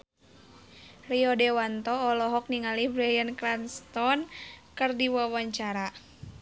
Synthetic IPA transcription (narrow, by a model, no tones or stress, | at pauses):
riɔdɛwant̪ɔːlɔɦɔk̚niŋalibɾɛjənklanst̪ɔnkɨrdiwawaɲt͡ʃaɾa